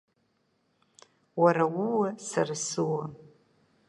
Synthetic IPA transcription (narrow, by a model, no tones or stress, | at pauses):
waɾawuwasarsɨwa